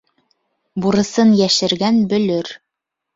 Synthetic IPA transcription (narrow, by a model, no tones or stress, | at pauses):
buɾɤ̆sɤnjæʃɘ̆ɾɡænbɵ̆lɵɾ